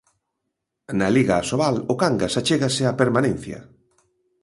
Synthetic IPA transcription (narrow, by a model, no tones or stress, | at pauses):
naliɣaːsoβalʊkaŋɡasat͡ʃeɣasɪapeɾmanẽn̟θjɐ̰